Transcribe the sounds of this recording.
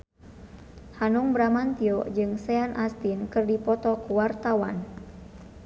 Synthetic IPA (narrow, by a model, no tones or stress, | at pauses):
hanuŋbɾamant̪iɔd͡ʒɨŋsɛanʔast̪inkɨrdipɔt̪ɔkuwart̪awan